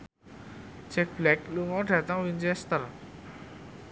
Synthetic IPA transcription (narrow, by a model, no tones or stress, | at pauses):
d͡ʒ̥ɛk̚b̥lɛkluŋɔɖ̥ä̤t̪əŋwint͡ʃɛst̪ər